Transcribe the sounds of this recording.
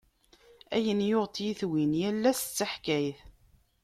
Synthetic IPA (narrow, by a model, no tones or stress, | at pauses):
æjənjʊʁt̪jiθwinjælːæst͡sːaħkæjθ